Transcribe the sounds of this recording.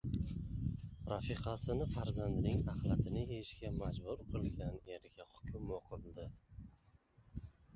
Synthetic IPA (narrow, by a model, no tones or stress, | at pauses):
ɾɑfiqʰɑsɪnɪfaɾzand̪ɪnɪŋaχlat̪ʰɪnɪeʃkʲamad͡ʒbʊɾqʰɨlˠɡʲane̞ɾɡʲahʊ̥kʲʰʊmoqʰɨlˠd̪ɪ